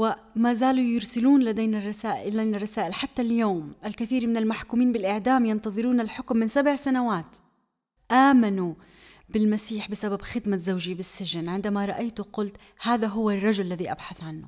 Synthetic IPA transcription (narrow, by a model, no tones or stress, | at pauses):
wɪmaːzaːlujɪɾsɪluːnlad̪ejnarˤːɑsaːʔajnarˤːɑsaːʔɪlħat̪ːaljoːmʔalkɪθiːɾmɪnalmaħkuːmiːnbɪlʔɪʕd̪aːmjɪnt̪ɑðˤɨɾuːnalħʊkmːɪnsabʕsanawaːt̪ | ʔaːmanu | bɪlmasiːħbɪsababxɪd̪mazawʒibɪsːɪʒɪnʕɪnd̪amaɾˤɑʔajt̪ʊqʊlt̪ | haːðaɦʊwarˤːɑʒʊllːaðiʔa̰bħaθʕanːʊ